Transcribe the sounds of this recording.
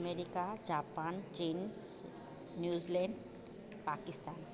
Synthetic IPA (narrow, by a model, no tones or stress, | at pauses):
meɾikad͡ʒaːpaːnt͡ʃiːn | njuːzilẽɳɖ | paːkist̪aːn